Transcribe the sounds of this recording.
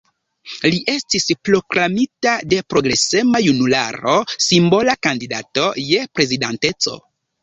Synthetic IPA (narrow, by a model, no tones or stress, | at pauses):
liʔe̞stispɾo̞klamitade̞pɾo̞ɡɾe̞se̞majunula̰ɾo̞simbo̞lakandidato̞jepɾe̞zidante̞t͡so̞̰